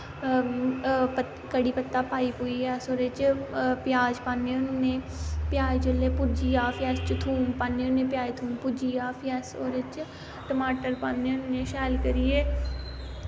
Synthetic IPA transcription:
pə | kəɽiːpət̪ːaːpaːiːpoːiɛːsoːɾet͡ʃpɪjaːd͡ʒpaːnːeːʊnːẽː | pjaːed͡ʒʊlːeːpʊd͡ʒiːaːpʰɛːst͡ʃt̪ʰuːmpaːnːeːʊnːẽːpjaːet̪ʰuːmpud͡ʒiːaːpʰːɛːsoːɾet͡ʃ | ʈəmaːʈəɾpaːnːeːʊnːẽːʃɛːlkəɾiːeː

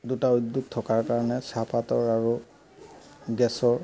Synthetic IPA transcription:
dutaojduk̚tʰɔkaɹkaɹɔnɛsapatɔɹaɹu | ɡɛsɔɹ

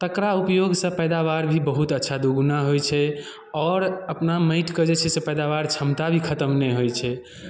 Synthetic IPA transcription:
t̪əkɾaupjoɡsə̃pɛjd̪aβaɾbʱibəɦut̪ətːʃʰad̪uɡnaɦojt͡ʃʰɛ | ɔːɾəpnaməɪʈkəd͡ʒet͡ʃʰɛsepɛd̪aβaɾt͡ʃʰəmt̪abʱikʰət̪əmnɛɦojt͡ʃʰɛ

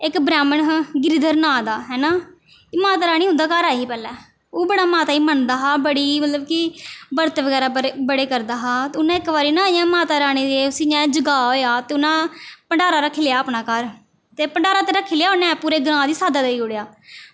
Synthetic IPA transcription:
ɪkbɾɛːməɳɡɪɾiːd̪əɾnãːd̪aːɦɛːnãː | imaːt̪aːɾaːɽ̃iːɦʊ̃nd̪aːkəɾaːiːpɛːlɛː | oːbəɽ̃aːmaːt̪aːiːmənd̪aːɦaːbəɽiːmət̪ləbkɪbəɾt̪eːʋəɡɛːɾaːbəɽeːkəɾd̪aːɦaːt̪eːʊnãːɪkːʋaːɾiːnãːijãːmaːt̪aːɾaːɽ̃iːd̪eʊsiːãːd͡ʒəɡaːɦoːjaːt̪eːʊnãːpəɳɖaːɾaːɾəkʰːɪleaːəpnaːkəɾ | t̪eːpəɳɖaːɾaːt̪eːɾəkʰːeːlejaːʊnɛ̃ːpuːɾeːɡɾãːd̪iːsaːd̪aːd̪eiːʊɽejaː

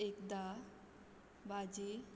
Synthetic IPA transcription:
ekd̪a | bad͡ʑe

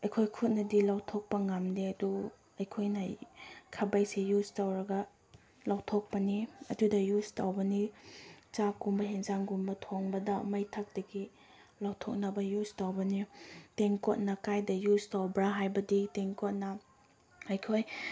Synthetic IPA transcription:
ɐjkʰojkʰut̚nɐdilawtʰok̚pɐŋamneɐdu | ɐjkʰojnɐkʰɐbɐjsejuztawɾɐɡɐ | lawtʰok̚pɐniɐdudɐjustawbɐnit͡ʃakumbɐɦeŋzaŋɡumbɐtʰoŋbɐdɐmɐjtʰɐk̚d̥ɐɡi | lawtʰok̚nɐbɐjuztawbɐniteŋkot̚nɐkajdɐjuztawbɾaɦajbɐditeŋkot̚nɐ | ɐjkʰoj

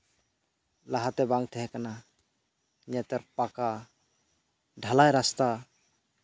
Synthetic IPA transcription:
laɦat̪ɛbaŋt̪ʰɛɦɛkana | iɲat̪ɛɾpaka | ɖʱalajɾast̪a

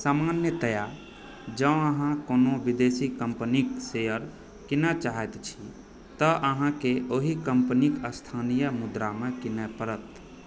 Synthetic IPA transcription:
samanjət̪əja | d͡ʒəəɦãkonobid̪esikəmpəniksejəɾ | kinət͡ʃaɦɛt̪t͡ʃʰi | t̪əʔəɦãkeʔoɦikəmpnikəst̪ʰanijəmud̪ɾamekinɛpəɾət̪

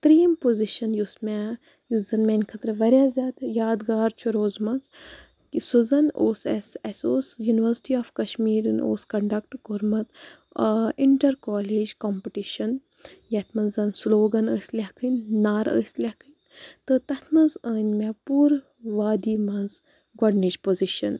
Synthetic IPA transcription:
t̪ɾiːmpoziʃɐnjusmɛ | juszɐnmenʲkʰɐt̪ɾɐʋɐɾʲjaːzʲjaːd̪jaːd̪ɡaːɾt͡ʃʰuɾoːzmɐnz | isuzɐnoːsɐsɐsoːsjuniʋɐɾsʈiaːfkɐʃmiːɾɨno̰ːskɐɳɖɐk̚ʈɡoɾmɐt̪ | iɳʈɐɾkaːleːd͡ʒkompiʈiʃɐn | jɐt̪ʰmɐnzɐnsloːɡɐnəːsʲlʲɐkʰɨnːaːɾə̰ːsʲlʲɐkɨnʲ | t̪ɨt̪ɐt̪ʰmɐnzəːnʲmɛpuːɾ | ʋaːd̪iːmɐnz | ɡwɐɖnid͡ʒpoziʃɐn

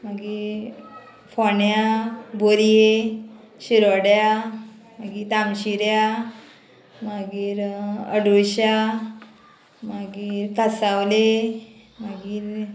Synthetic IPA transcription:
maɡiɾ | fɔnjaboɾje | ɕiɾɔɽja | maɡit̪amɕiɾja | maɡiːɾə̰ɽujɕa | maɡiːɾkasawle | maɡiːɾ

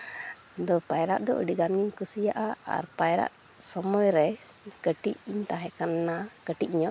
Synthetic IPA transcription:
d̪ɔpajɾa̰ʔd̪ɔʔə̰ɖiɡanɡiɲkusijaʔaa̰ɾpajɾa̰ʔ | sɔmɔjɾɛ | kəʈiʔiɲt̪ãɦɛ̃kanːakəʈiʔ̚ɲɔʔ

